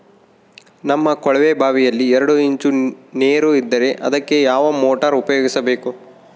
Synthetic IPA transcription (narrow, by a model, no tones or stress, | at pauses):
nɐmːɐkɔɭɐʋebʱaːʋijɐlːiɛɾɐɽuiɲt͡ʃune̞ːɾuid̪ːɐɾe̞ʔɐ̰d̪ɐkːe̞jaːʋɐmoːʈɐɾupɐjoːɡisɐbe̞ːku